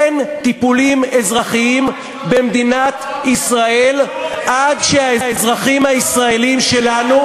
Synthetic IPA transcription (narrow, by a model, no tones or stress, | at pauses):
ent̪ipulime̞zʁaχiim | bemd̪inat̪isʁae̞lʔadʃeaeezʁaχimhaisʁae̞limʃe̞lanu